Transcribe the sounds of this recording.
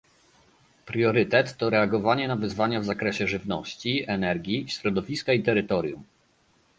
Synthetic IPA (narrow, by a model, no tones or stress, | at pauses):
pɾʲjɔɾɘt̪ɛt̪ːɔɾɛaɡɔvaɲɛnavɘzvaɲavzakɾɛɕɛʐɘvnɔɕt͡ɕiɛnɛɾɡʲiɕɾɔd̪ɔvʲiskait̪ɛɾɘt̪ɔɾʲjum